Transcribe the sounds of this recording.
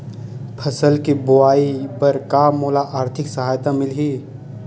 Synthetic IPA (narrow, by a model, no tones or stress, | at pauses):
pʰɐsəlkibʊaːipɐɾkaːmoːlaʔaːɾt̪ʰɪksɐɦaːjt̪amɪlɦiː